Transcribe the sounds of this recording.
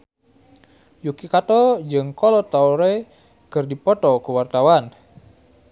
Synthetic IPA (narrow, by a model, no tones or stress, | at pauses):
jukikat̪ɔd͡ʒɨŋkɔlɔt̪auɾe | kɨrdipɔt̪ɔkuwart̪awan